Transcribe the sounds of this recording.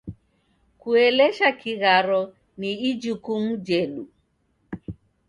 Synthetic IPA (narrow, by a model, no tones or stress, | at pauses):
kuɛlɛʃakiɣaɾɔ | niːd͡ʒukumud͡ʒɛɗu